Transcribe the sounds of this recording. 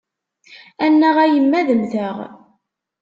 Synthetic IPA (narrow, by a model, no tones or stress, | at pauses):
ænːəʁæjəmːæðəmθəʁ